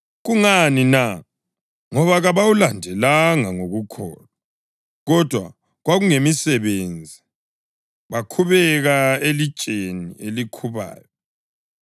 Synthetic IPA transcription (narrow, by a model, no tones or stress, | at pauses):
ɣuŋanina | ŋɔβaɣaβawulandʱɛlaŋaŋoɣukʰɔ̰ːna | ɣɔd̥ʱwa | ɣwaɣuŋemisɛβend͡zʱi | βakʰuβɛɣaeli̥t͡ʃʼenielikʰuβa̰ːjɔ